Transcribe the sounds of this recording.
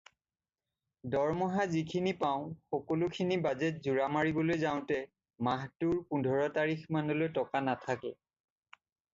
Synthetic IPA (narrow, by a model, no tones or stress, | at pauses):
dɔɹmɔɦazikʰinipaʊ̃xɔkolʊkʰinibazɛt̚zuɹamaɹibɔlojzaʊ̃tɛ | maɦtuɹpundʱɔɹɔtaɹixmanɔlojtɔkanatʰakɛ